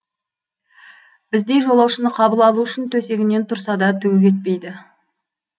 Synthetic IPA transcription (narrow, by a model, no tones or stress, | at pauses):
bɪzd̪e̞jʒo̞lˠɑwʃənəqʰɑbəlˠɑlˠuʏʃɪnt̪ʰɵse̞ɡʲɪnːe̞nt̪ʰʊɾsɑd̪ɑt̪ʰɵɡʲɪkʲe̞t̪̚pe̞jd̪ɪ